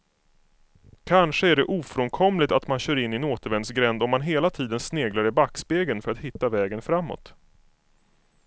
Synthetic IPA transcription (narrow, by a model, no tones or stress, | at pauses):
kʰanʂəæɖɛʔuːfɾɔnkʰɔmlɪɡ̚t̪at̪manɕœːɾɪnːɪnoːt̪əɾvɛnd̪sɡɾɛnd̪ɔmːanɦeːlat̪ʰiːd̪ənsneːɡlaɾɛbakːspeːɡənfœɾat̪hɪt̪ːavɛːɡənfɾamːɔ̰t̪